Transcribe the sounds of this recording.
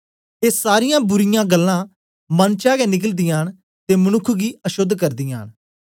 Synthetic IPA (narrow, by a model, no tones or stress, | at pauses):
eːsaːɾɪjãːbʊɾɪjãːɡəlːãː | mənt͡ʃaːɡɛnɪkəld̪ɪjãːn | t̪eːmənʊkʰɡiːəʃʊd̪ʱːkəɾd̪ɪjã̰ːn